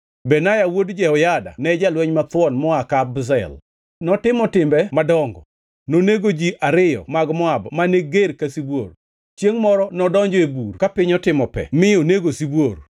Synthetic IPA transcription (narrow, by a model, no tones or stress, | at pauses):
bɛnajawodd͡ʒɛɔjada̰nɛd͡ʒalwɛɲmat̪wɔnmɔakabzɛ̰l | nɔtɪmɔtɪmbɛmadɔŋɡɔ̰ | noneɡod͡ʒiʔaɾɪjɔ̰maɡmɔabmaneɡeɾkasibwo̰r | t͡ʃjeŋmɔɾɔnɔdɔɲd͡ʒɔeburkapɪɲɔtɪmɔpɛ̰mɪoneɡosibwoɾ